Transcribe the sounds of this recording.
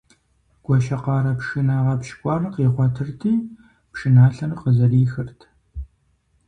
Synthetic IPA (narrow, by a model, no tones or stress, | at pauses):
ɡ̥ʷɔʃɐqɑːɾɐpʂɨnaːʁɐpʃkʷʼɑːrɨqiːʁʷɔtʰɨrtʰiː | pʃɨnaːɬɐrɨqəzɐriːxɨrtʰ